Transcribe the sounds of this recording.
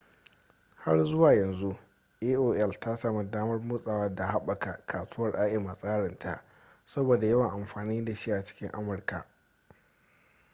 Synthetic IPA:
ha˦rzʊ˦waː˨jɐ˨nzu˦ | ʔe˦ʔoː˦ʔɛ˦˨lta˦sa˨ma˨daː˦mɐ˦rmʊ˦sʼaː˨wɐ˦da˨ha˦ɓa˨ka˨ʔkʰaː˨sʊ˦ɐ˦rʔaː˦ʔɪ˨ma˨sʼaː˦ɽɪ˨ntʰa̰˨ʔ | sɐ˦boː˨da˨jɐ˦wɐ˨ŋʔa˨mɸaː˨niː˦da˨ʃi˦ʔa˨t͡ʃɪ̥˦kʲɪ˦ŋʔa̰˦mʊ˨rka˨

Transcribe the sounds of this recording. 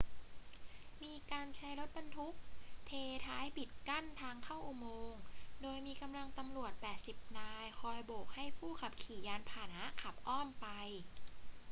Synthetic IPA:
miː˧kaː˧nt͡ɕʰa˦˥jlo˦˥t̪̚ba˧nt̪ʰu˦˥k̚t̪ʰeː˧t̪ʰaː˦˥jpi˨˩t̪̚ka˥˩nt̪ʰaː˧ŋkʰa˥˩wʔu˨˩moː˧ŋdoː˧jmiː˧ka˧mla˧ŋt̪a˧mlu˨˩ət̪̚pɛː˨˩t̪̚si˨˩p̚naː˧jkʰɔː˧jboː˨˩k̚ha˥˩jpʰuː˥˩kʰa˨˩p̚kʰiː˩˦jaː˧npʰaː˨˩na˦˥kʰa˨˩p̚ʔɔː˥˩mpa˧j

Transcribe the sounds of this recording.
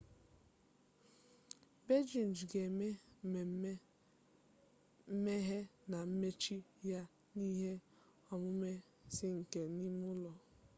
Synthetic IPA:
be˦d͡ʒi˨n˨d͡ʒɡe˨me˦˨˦ | me˦ɦe˦na˨m̩˦me˦t͡ʃi˦ja˦ | ni˦ɦe˦ | ɔ˨mʊ˦me˦ | sɪ˦ŋ̩˨ke˨ni˦mʊ˦lɔ˨

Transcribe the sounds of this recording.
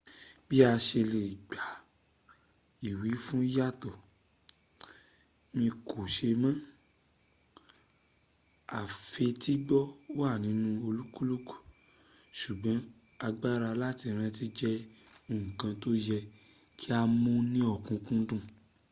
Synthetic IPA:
bi˦a˧ʃe˧le˨ɡ͡ba˨˦ | i˨wi˨˦fũ˦ja˦tɔ˨ | mĩ˧kʰo˨ʃe˧mã˦ | a˨fe˧ti˦ɡ͡bɔ˦wa˦˨nĩ˨˦nũ˧o˧lu˦ku˦lu˦ku̥˦˨ | ʃu˨ɡ͡bɔ̃˨˦ | a˧ɡ͡ba˦ɾa˧la˦ti˧ɾ̃ɛ̃˧ti˧d͡ʒɛ˦o˨ũ˨kã˧to˦jɛ˧ | kʰi˦a˧mõ˦nĩ˦ɔ˦˨kũ˨˦kũ˦dũ˦˨

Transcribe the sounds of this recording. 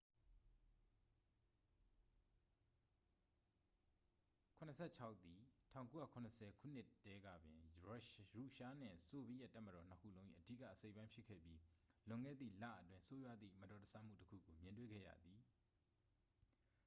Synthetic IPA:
kʰʊ̃˨nə˨sʰɛ˦˨t͡ɕʰa˦ʊʔt̪ːi˨tʰã̰˦˨ʊ̃ko˦ja̰˦˨kʰʊ̃˨nəsʰɛ˨kʰṵ˦˨n̥ɪ˦˨tʰːɛ˦ɡä̰˦˨bɪ̰̃˨ | ɹu˦˨ʃa˦n̥ɪ̰̃˨so˨bi˦˨ja˦˨tːa˦˨mə˨ɾɔ˨n̥əkʰṵ˦˨lõ˦ʊ̃ʔḭ˨ʔədi˦˨kä̰˦˨ʔəse˦ɪʔpːã˦ɪ̃pʰɪ˦kʰːɛ̰˦˨pji˦lʊ̃˨ŋɡɛ̰˦˨d̪ðḭ˦˨la̰˦˨ʔətwɪ̃˦nso˦jwa˦d̪ðḭ˦˨mətɔ˨təsʰa˦m̥ṵ˦˨təkʰṵ˦˨ɡo˨mjɪ̃˨ntwḛ˦˨ɡɛ̰˦˨jä̰˦˨d̪ði˨

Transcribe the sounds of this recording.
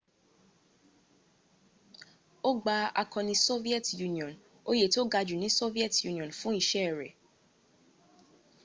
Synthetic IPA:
o˦ɡ͡ba˧a̰˧kɔ̃˧nĩ˧so˦vi˦ɛ˦tju˦nĩ˨ɔ̃˨n | o˦je˦˨to˦ɡa˧d͡ʒu˨nĩ˨˦so˦vi˦ɛ˦˨tju˧nĩ˨ɔ̃˨nfũ˦i˦˧˨ʃɛ˦˨ɾɛ˨

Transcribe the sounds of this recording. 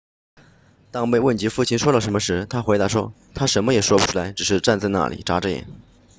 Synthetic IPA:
t̪ɑ˥ŋme˥˧ɪwə˥˩nt͡ɕi˧˥fu˥˩t͡ɕʰi˥nʂwɔ˥lə˨˩ʂə˧˥nmə˧ʂɻ̩˧˥t̪ʰa˥xwe˧˥ɪd̪a˧˥ʂwɔ˥ | t̪ʰa˥ʂə˧˥nmə˧jɛ˨˩ʂwɔ˥pu˧˩ʈ͡ʂʰu˥˩la˧˥ɪʈ͡ʂɻ̩˨˩ʂɻ̩˥˧ʈ͡ʂa˥˧nt͡sa˥˧ɪna̰˥˩lḭ˨˩ʈ͡ʂa˧˥ʈ͡ʂə˥˩jɛ̰˨˩˦n

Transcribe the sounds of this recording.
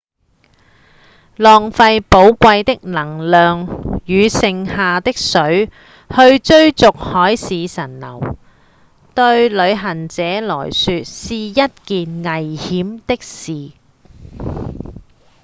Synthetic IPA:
lɔː˨ŋfɐ˧jpo˨˥wkʷɐ˧jt̪ɪ˥k̚lɐ˨˩ŋlœː˨ŋjyː˨˧sɪ˧ŋhaː˨t̪ɪ˥k̚sɵ˨˥ɥ | hɵ˧ɥt͡ʃɵ˥ɥt͡sʊ˨k̚hɔː˨˥jsiː˨˧sɐ˨˩nlɐ̰˨˩w | t̪ɵ˧ɥlɵ˨˧ɥɦɐ˨˩nt͡sɛː˨˥lɔ̰ː˨˩jsyː˧t̚siː˨jɐ˥t̚kiː˨nŋɐ˨˩jhiː˨˥mt̪ɪ˥k̚siː˨

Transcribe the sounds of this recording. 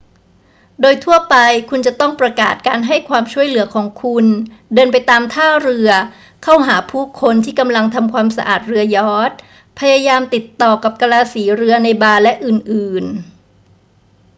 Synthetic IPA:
doː˧jt̪ʰu˥˩ɐpa˧jkʰu˧nt͡ɕa˨˩t̪ɔ˥˩ŋpɾa˧ka̰ː˨˩t̪̚kaː˧nɦa˥˩jkʰwaː˧mt͡ɕʰu˥˩əjlɯ˨˩˦ɐkʰɔː˩˦ŋkʰu˧ndɤː˧np̬a˧jt̪aː˧mt̪ʰaː˥˩ɾɯ˧ɐ | kʰa˥˩wɦaː˩˦pʰuː˥˩kʰo˧nt̪ʰiː˥˩ka˧mla˧ŋt̪ʰa˧mkʰwaː˧msa̰˧ʔa̰ː˨˩t̪̚ɾɯ˧ɐjɔː˦˥t̪̚ | pʰa˧jaː˧jaː˧mt̪i˨˩t̪ːɔː˨˩ka˨˩p̚ka˧laː˧siː˩˦ɾɯ˧ɐna˧jbaː˧lɛ˦˥ʔɯː˨˩nʔɯː˨˩n

